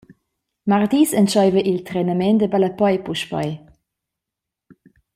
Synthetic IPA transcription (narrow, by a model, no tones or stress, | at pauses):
maʁdisənt͡ʃɔjvəʔilt̪rɛnəmɛndəbaləpɔjpuʃpɔ̰j